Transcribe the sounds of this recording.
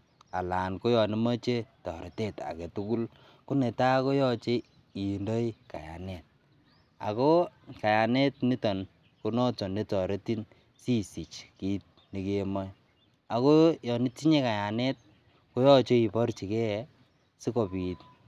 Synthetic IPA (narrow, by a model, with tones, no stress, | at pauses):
a̰˨la˨nko˦jɔ˨ni˦ma˦t͡ʃe˦tɔ̰˨ɾe˨te˦ta̰˨ke˨tu˦ku˦l | ku˦ne˨ta˦ko˦jɔ˦t͡ʃe˦ | i˨ndo˦i˦ka̰˨ja̰˨ne˨t̚ | a̰˨ko˦ka˨ja˨ne˦tni˦tɔ˨n | ku˦nɔ˦tɔ˨ni˦tɔ˨ɾe˦ti˦n | si˦si˨t͡ʃki˦t̚ni˨ke˦mɔ˦j | a˨ko˦jɔ˨ni˦ti˦ɲe˦ka˨ja˨ne˦t̚ | ko˦jɔ˦t͡ʃe˦i˨pɔ˦ɾt͡ʃi˨kɛ˦ | si˦kɔ˨pi˨t̚